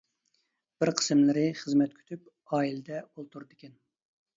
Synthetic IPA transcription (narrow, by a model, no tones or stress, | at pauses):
b̥ɪɾqʰə̥sɨmlɪɾɪχəzmɛt̪̚kʲʰy̥t̪ʰyp | ɑːilɛd̪ɛolˠt̪ʰuɾd̪ɪkʲʰɛn